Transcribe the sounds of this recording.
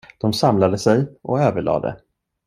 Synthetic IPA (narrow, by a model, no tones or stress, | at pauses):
d̪̥ɔmsamlad̪əsɛjʔɔøːvəɭɑ̰ːd̪ɛ̰